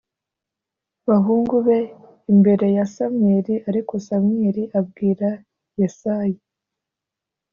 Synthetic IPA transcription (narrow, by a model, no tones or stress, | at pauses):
βaɦuːŋɡuβe̞ | imbe̞ɾe̞jasamɲeɾiaɾiko̞samɲeɾiʔab̚ɡiːɾa | jasaji